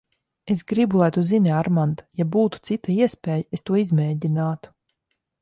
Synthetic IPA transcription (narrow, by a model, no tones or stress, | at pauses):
esɡɾibulˠajt̪uzinʲiaɾmand̪ajabuːt̪u̥t̪sit̪aiɛspʲeːjaest̪uɔizmʲɛːɟʲinaːt̪u̥